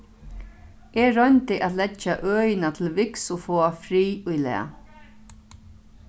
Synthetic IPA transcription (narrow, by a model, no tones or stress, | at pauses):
ɛɾœnt̪ɪʔat̪lɛt͡ʃːaʔœːjɪnat̪ʰɪlvɪksʊfɔːafɾiːʊjlɛ̰ːa